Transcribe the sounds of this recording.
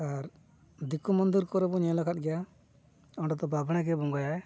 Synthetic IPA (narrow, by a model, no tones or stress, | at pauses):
aɾ | d̪ikumɔnd̪iɾkɔɾɛbɔɲɛ̃lakʰat̪̚ˀɡɛja | ɔɖɔt̪ɔbabɽ̃ñak̬ɛbɔŋɡajaɛ